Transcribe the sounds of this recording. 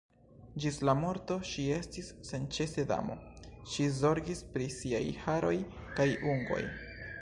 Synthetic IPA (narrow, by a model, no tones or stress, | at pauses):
d͡ʒislamo̞ɾto̞ʃie̞stisːe̞nt͡ʃe̞se̞da̰mo̞̰ʃizo̞ɾɡispɾisiajhaɾo̞jkajuŋɡo̞̰j